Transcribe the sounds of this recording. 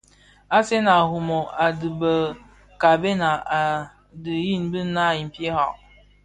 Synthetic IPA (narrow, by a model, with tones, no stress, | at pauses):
a˦se˦na˨hu˨mɔ˨a˨dɨ˨bə˨ | ka˨be˦na˨a˨ | dɨ˨ji˦˨n˦bɨ˦na˦˨i˨m̩˨pje˦ha˨ʔ